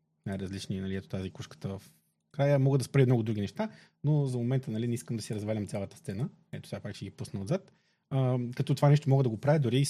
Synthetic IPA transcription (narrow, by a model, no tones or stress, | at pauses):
najɾəzlit͡ʃninɐlʲiɛt̪o̥t̪azikuʃkə̥t̪əvf | kɾajəmɔɡəd̪ɐspɾiəmnɔɡʊd̪ɾuɡ̟inɛʃt̪a | nozɐmomɛnt̪ənɐlinɛiskəmd̪ɐsiɾɐzvalʲəmt̪sʲjalˠət̪əst̪sɛnə | ɛ̰t̪o̥sʲapakʃɛɡipusnəd̪zat̪ | əkɐt̪ɔt̪ovanɛʃ̬t̪omɔɡəd̪ɐɡopɾavʲəd̪ʊɾi